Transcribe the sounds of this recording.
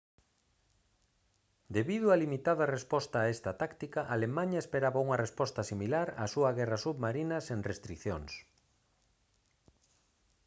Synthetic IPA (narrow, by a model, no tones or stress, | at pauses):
d̪eβiðʊalimit̪aðɐrespɔst̪aest̪ɐt̪akt̪ikɐʔalemãɲɐespeɾaβauŋɐrespɔst̪ɐsimilaɾa̰suɐɣɛrɐsuβmaɾinɐseŋrest̪ɾikθjoŋs